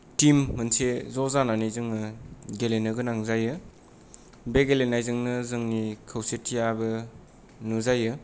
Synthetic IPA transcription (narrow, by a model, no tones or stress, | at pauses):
timːɐnsʰezɔzananizɯŋnɯɡelenɯɡɯnaŋzajɯ | beɡelenajzɯŋnɯzɯŋnikʰɐwsetʰijabɯ | nuzajɯ